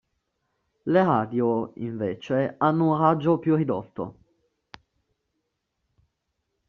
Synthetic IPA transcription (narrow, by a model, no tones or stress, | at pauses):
leɾaːd̪joḭɱveːt͡ʃeanːunɾad͡ʒːopjurːid̪ɔ̰t̪ːo̰